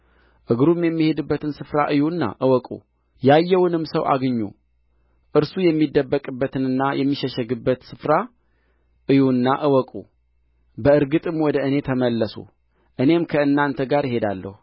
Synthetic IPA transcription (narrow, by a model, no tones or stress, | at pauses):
ʔɨɡɾumjɛmːihe̞d̪ɨbːət̪ʰɨnsɨfɾaʔɨjunːa̰ʔɨwɔkʼṵ | jajːɛwnɨmːsəwʔa̰ɡɨɲːṵ | ʔɨɾsujɛmːid̪ːəbːəkʼɨbːət̪ʰɨnɨnːajɛmːiʃɛʃɛɡɨbːət̪sɨfɾa | ʔɨjunːaʔɨwɔkʼṵ | bəɨɾɡɨt̪ʼɨmwɔd̪əɨne̞t̪ʰəməlːəsṵ | ʔɨne̞mkʰəɨnːant̪ʰəɡaɾjɦe̞d̪alːə̰hu